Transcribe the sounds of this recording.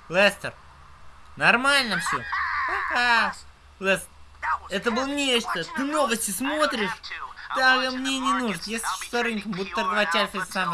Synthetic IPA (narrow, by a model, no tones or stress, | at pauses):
lˠɛst̪ər | nɐrmalʲnəfsʲoakas | lˠɛst̪ɛt̪əbɨlˠənʲet͡ʃt̪ət̪ɨnovəsʲtʲɪsmot̪ɾʲɪʂd̪aɡɐmnʲenʲɪnuʐt̪jesʲlʲɪ̥ɕosɐɾɨnʲkʲəmbud̪ʲʊt̪ːɐɾd̪vat͡ɕʲːalʲflʲɪsam